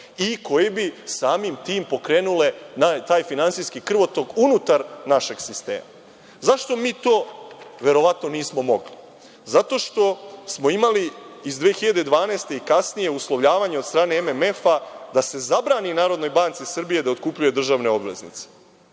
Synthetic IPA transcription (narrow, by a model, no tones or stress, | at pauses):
iko̞jebisaːmimt̪iːmpo̞kɾe̞ːnule̞nat̪aːjfinant̪sijskikr̩ʋo̞t̪o̞ɡunut̪aɾnaʃe̞ɡsist̪ḛːma | zaʃt̪o̞miːt̪o̞ːʋe̞ɾo̞ʋat̪no̞niːsmo̞mo̞ɡli | zat̪o̞ʃt̪o̞smo̞imaliizd̪ʋeːxiʎad̪e̞d̪ʋaːneːst̪e̞ikasnijeuslˠoʋʎaːʋaɲeod̪st̪ɾaːneememe̞fad̪ase̞zabɾaːninaːɾod̪no̞jbant̪sisr̩bije̞d̪aot̪kupʎuje̞d̪r̩ʒaʋne̞o̞bʋe̞̰znḭt̪se̥